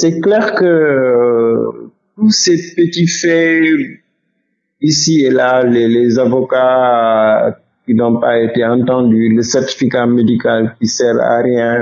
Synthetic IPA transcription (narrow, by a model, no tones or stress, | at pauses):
sɛklɛːʁkə | tusepətifɛ | isielalelɛzavɔka | kinɔ̃paeteɑ̃ntɑ̃dyləsɛrti̥fikamedikalkisɛɾa̰ɾjɛ̃